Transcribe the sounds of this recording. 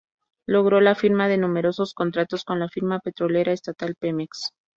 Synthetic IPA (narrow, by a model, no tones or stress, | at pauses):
lo̞ɣɾo̞lafiɾmaðe̞nume̞ɾo̞so̞sko̞nt̪ɾat̪o̞sko̞nlafiɾmape̞t̪ɾo̞le̞ɾʔaest̪at̪alpemeks